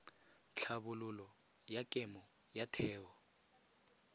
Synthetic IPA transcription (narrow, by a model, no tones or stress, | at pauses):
t͡ɬʰaβʊlʊlɔ | jakʼɛmɔ | jatʰɛːwɔ